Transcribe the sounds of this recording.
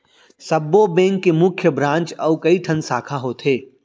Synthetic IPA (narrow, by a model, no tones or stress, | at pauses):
sɐbːobẽːŋkːemʊkʰjəbɾãːnt͡ʃɔːkɐiʈʰɐnsaːkʰaɦoːt̪ʰɦeː